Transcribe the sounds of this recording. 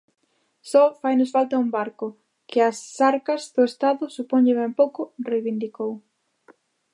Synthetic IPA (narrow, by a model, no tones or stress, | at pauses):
sɔfajnʊsfalt̪ɐumbaɾkʊ | kʰɪɐsaɾkɐzðʊest̪aðʊsupɔɲʎɪβɛmpowkʊrejβind̪ikow